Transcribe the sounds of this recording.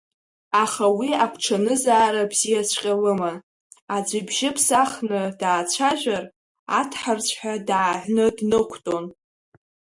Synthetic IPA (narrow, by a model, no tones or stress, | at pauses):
aχawiakʷʰʈ͡ʂʰanɨzaːɾabz̥ijat͡ɕʷʰqʲʼalɨman | ad͡ʒʷibʒɪpʰsaχnɨdaːt͡ɕʷʰaʒᶣʷar | a̰tʰħart͡sʷʰħadaːʕʷnɨdnɨkʷʰtʼo̞n